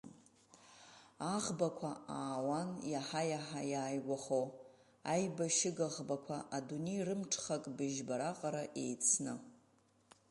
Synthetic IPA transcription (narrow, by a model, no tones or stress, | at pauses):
aʁbakʷʰaaːwanjaħajaħajaːjɡʷaχow | ajbaʃɪɡaʁbakʷʰaʔadunejrɨmʈ͡ʂʰχakʼbɨʒbaɾaqʼaɾaʔe̞̰jt͡sʰnɨ